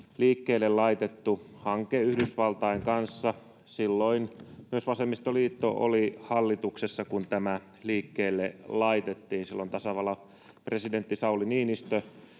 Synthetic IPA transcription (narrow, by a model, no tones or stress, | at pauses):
liːkːeːlːellɑit̪et̪ːuhɑŋkeyhdysʋɑlt̪ɑiŋkɑnsːɑ | silːoinmyøsʋɑsemːist̪oliːt̪ːo̰ʔo̰lihɑlːit̪uksesːɑkunt̪æmæ | liːkːeːlːelɑit̪et̪ːiːnsilːont̪ɑsɑʋɑlɑ | president̪ːisɑuliniːnist̪ø